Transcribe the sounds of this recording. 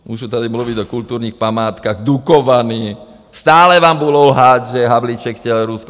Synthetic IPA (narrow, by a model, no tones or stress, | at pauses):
muːʒut̪ɛd̪imluʋiɟɔkult̪uːɾnixpamaːt̪kaɣd̪ukɔʋaniː | st̪aːlɛʋaːmbulɔʊɦaːɟʒɛɦablit͡ʃɛkcɛlɔɾuskɔ